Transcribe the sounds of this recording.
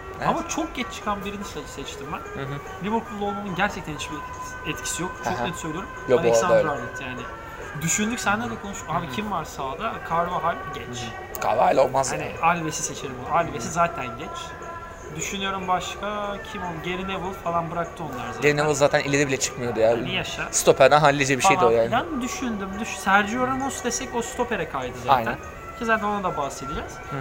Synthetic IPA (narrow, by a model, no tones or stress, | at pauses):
amat͡ʃʰo̞k̚ɟɛt͡ʃt͡ʃʰɯ̥kʰanbiɾinist̪ad͡ʒɯsɛt͡ʃt̪ʰimbænɦ | lʲivɯɾpʰulˠːo̞lˠmanɯnɟæɾt͡ʃʰɛct̪ʰænit͡ʃbi | ɛt̪cʰi̥sijok̚t͡ʃʰoknɛt̪søjlʲijoɾumanɛsanɾalʲɛt̪ʰjaːnɪ | d̪yʃynd̪ycʲsænlʲæɾd̪ɛkʰo̞nuʃhabicʰimvaɾsaːd̪akʰaɾvaɦalʲɟɛt͡ʃ | kʰa̰valʲaolˠmazanialʲvesise̞t͡ʃʰeɾimbuaːlʲvesizaːt̪ʰænɟɛt͡ʃ | d̪yʃynyjo̞ɾumbaʃkʰacʰimonˠɟe̞ɾinevɯlˠfalˠanbɯɾak̚t̪ʰɯo̞nlːˠaɾzaɟeɾinevɯlˠzaːt̪ʰænilʲeɾibilʲɛt͡ʃʰɯ̥kmɯjod̪ujaijaʃast̪o̞pʰɛɾd̪anɦalʲːid͡ʒɛbiʃej̪ojaand̪yʃynd̪ymd̪yʃsæɾd͡ʒijoɾamosd̪esɛcost̪ʰo̞pʰe̞ɾɛkʰajd̪ɯzaajnæn | cʰizaːt̪ʰæno̞nad̪abahse̞d̪id͡ʒɛz̥